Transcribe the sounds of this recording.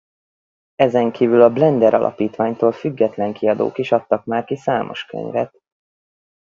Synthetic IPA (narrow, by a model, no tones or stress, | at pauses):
ɛzɛŋkʰiːvylɒblɛnd̪ɛɾʔɒ̰lʔɒ̰piːt̪ʋaːɲt̪oːlfyɡːɛt̪lɛŋkʰiɒd̪o̰ːkiʃɒt̪ːɒkmaːrkisaːmʔo̞̰ʃkø̰ɲvɛ̰t̪̚